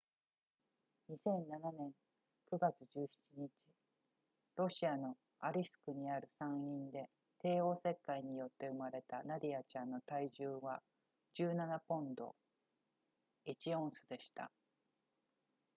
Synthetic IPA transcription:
ɲ̟isẽ̞nːananẽ̞ŋ | kɯ̟ɡat͡sɨʑɨːçi̥t͡ɕiɲ̟it͡ɕi | ɾo̞ɕiano̞ | aɾʲisɨ̥kɯ̟ɲ̟iaɾɯ̟sãɰ̃ĩnd̪e̞ | t̪e̞ːo̞ːse̞kːaiɲ̟ijo̞t̪ːe̞ɯ̟maɾe̞t̪anaɾʲiat͡ɕãnːo̞t̪aiʑɨːβa | d͡ʑɨːnanapõ̞nd̪o̞̰ | it͡ɕiõ̞ɰ̃sɨd̪e̞ɕi̥t̪a̰

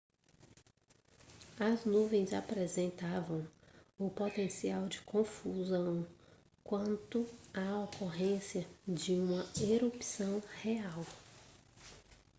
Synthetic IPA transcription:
ɐznuvẽj̃zapɾezẽnt̪avɐ̃w̃ʊpot̪ẽsiawd͡ʒɪkõfuzɐ̃w̃ | kwɐ̃nt̪ʊaokoɦẽsiɐd͡ʒɪũmɐeɾupsɐ̃w̃heaw

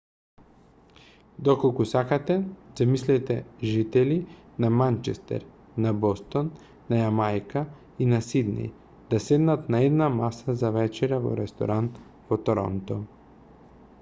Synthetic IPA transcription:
d̪okolˠkusakat̪ɛzamislɛt̪ɛʒit̪ɛlinamant͡ʃɛst̪ɛ̰ɾ | nabɔst̪onː | ajamajka | inasid̪nɛ̰j | d̪asɛd̪nat̪naɛd̪namasazavɛt͡ʃɛɾavo̰ɾɛst̪o̰ɾant̪ | vot̪oɾɔ̰nt̪o

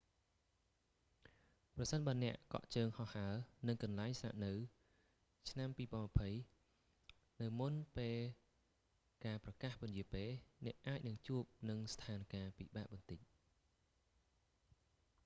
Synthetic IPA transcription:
prɑsənɓaənɛ̆əʔkɑ̰ʔt͡ɕəːŋhɑhaənɨŋkɑnlaɛŋsna̰ʔnɨw | t͡ɕʰnampiːpɔəmapʰəj | nɨwmunpeːl | kaːprɑkahpʊənjiəpeːnɛ̆əʔʔaːc̚nɨŋt͡ɕuəp̚nɨŋst̪ʰaːnkaːpḭɓaːʔɓɑnt̪ɨc̚

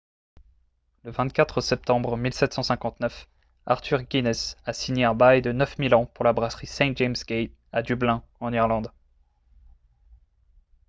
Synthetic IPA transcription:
ləvɛ̃t̪̚kʲat̪χəsɛp̚t̪ɑ̃bʁəmilsɛt̪sɑ̃sɛ̃kɑ̃t̪nœf | aʁt̪ʰyʁɡʲinɛsasiɲeɛ̃bajd̪ənœfmilɑ̃puʁlabʁasχisɛ̃t̪̚ʒɛmsɡʲej | ad̪yblɛ̃ɑ̃niʁlɑ̃d̪

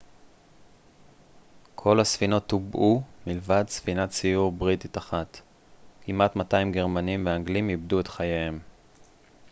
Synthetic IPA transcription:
kʰo̞lasfino̞tːubʔumilvadsfinat͡sijuʁbʁititaχat | kimatmatajimɡeʁmanimveaŋɡlimibduetχajaem

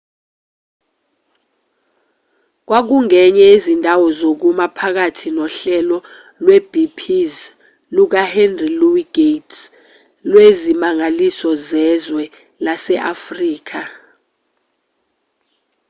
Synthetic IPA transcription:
k̬wak̬uŋɛɲɛezindʱawɔzok̬umapʰak̬atʰinɔɬɛlɔ | lwɛb̥ʱipʰiz | luk̬ahɛndriluwiɡ̥ets | lwezimaŋalisɔzɛzwɛ | lasɛʔafriːk̬a

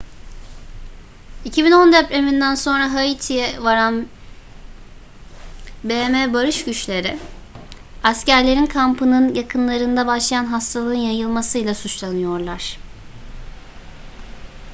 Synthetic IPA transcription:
icʰibino̞nd̪epɾemind̪ænso̞nɾaɦait̪ʰijɛvaɾan | bemebaɾɯʃɟyt͡ʃlʲe̞ɾɪ | ascæɾlʲe̞ɾinkʰampɯnɯnjakʰɯnlˠaɾɯnd̪abaʃlˠajanɦast̪ʰalˠɯɯnjajɯlˠmasɯjlˠasut͡ʃlˠanɯjo̞ɾlˠaɾ̥

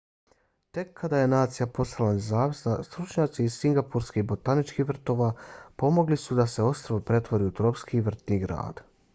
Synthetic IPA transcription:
t̪e̞kʰːad̪aje̞naːt̪sijapo̞st̪alane̞zaːʋisnast̪ɾut͡ʃɲaːt̪siːzsiŋɡapuɾskibo̞t̪anit͡ʃkihʋr̩t̪o̞ːʋaːpo̞mo̞ɡlisud̪ase̞o̞st̪ɾaʋopɾe̞t̪ʋo̞ɾiut̪ɾo̞pskiʋr̩t̪niɡɾa̰ːd̪̥

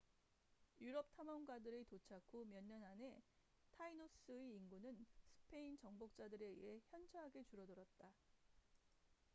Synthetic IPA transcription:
juɾʌp̚tʰamʌŋɡadɯɾetot͡ɕʰakʰomjʌɲːʌnane̞ | tʰainos͈ɯeinɡunɯnsʰɯ̥pʰe̞int͡ɕʌŋbok̚t͡ɕ͈adɯɾe̞ḭɦe̞çjʌnt͡ɕʰʌɦaɡe̞t͡ɕuɾʌdoɾʌt̚t͈a

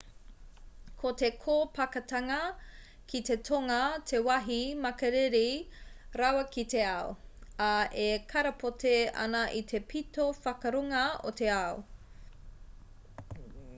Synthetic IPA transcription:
kʰotekʰoːpɐkɐtɐŋɐ | kʰitetʰoŋɐtʰewɐɦimɐkɐɾeɾiɾɐwɐkite̞ɐoɐʔekʰɐɾɐpʰoteɐ̰nɐʔit̪ʰe̞pʰitofɐkɐɾoŋɐo̰t̪ʰe̞ɐo

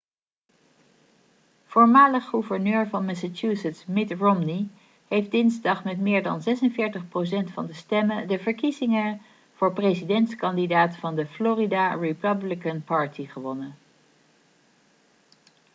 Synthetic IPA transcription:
v̥oːɹmaːləχχuvəɹnøːɹvɑnmɛsat͡ʃusətsmɪtrɔmni | ɦejft̚dɪnzdɑχmɛtmɪːɹdɑ̰nzɛsənvɪːɹtəχprowsɛntfɑndəstɛmədəvəɹkizɪŋən | v̥ʊːɹprezidɛntskɑndidaːtfɑndəfloːridaɹipəblɪkənpɑɹtiχəʋɔnə

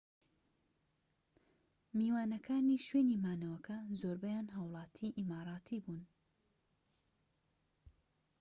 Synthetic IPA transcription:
miːwaːnɐkʰaːniːʃweːniːmaːnɐwɐkɐzoːɾbɐjaːnɦawlˠɑːt̪ʰiːʔimaːɾˤɑːt̪ʰiːbuːn

